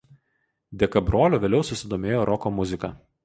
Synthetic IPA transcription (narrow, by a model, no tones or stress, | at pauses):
d̪ʲɛkɐbɾoːlʲoːʋʲeːlʲɛʊsʊsʲɪd̪oːmʲeːjoːɾʔɔkoːmʊzʲɪkɐ